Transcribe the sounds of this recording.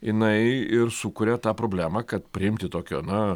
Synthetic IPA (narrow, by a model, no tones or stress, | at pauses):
jɪnɐɪɪɾsukʊɾʲɛt̪ɑːpɾoːbʲlʲæːmɑːkɐt̪pʲɾʲɪɪmʲt̪ʲɪt̪oːkʲo̰ːnɐ